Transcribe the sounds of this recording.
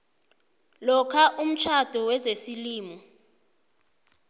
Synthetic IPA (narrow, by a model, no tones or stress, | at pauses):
lɔkʰaʔum̩t͡ʃʰad̥ʱɔwɛzesiliːmɔ